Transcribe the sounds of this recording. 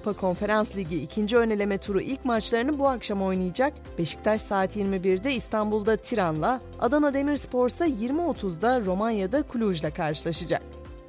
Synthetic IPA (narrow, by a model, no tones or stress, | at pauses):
upʰakʰo̞nfe̞ɾanslʲiɟiːcʰind͡ʒiø̞ne̞lʲe̞mɛt̪ʰuɾuʔilʲcmat͡ʃlˠaɾɯnɯbuakʃamo̞jnˠɯjɯd͡ʒak̚ | b̥e̞ʃi̥c̚t̪ʰaʃsaːt̪jiɾmibiɾd̪ɛist̪ʰanbulˠd̪at̪ʰiɾanlˠa | a̰d̪anad̪e̞miɾspʰo̞ɾsajiɾmio̞t̪ʰuzd̪aɾo̞manjad̪akʰulʲuʒlʲˠakʰaɾʃɯlˠaʃɯd͡ʒa̰k̚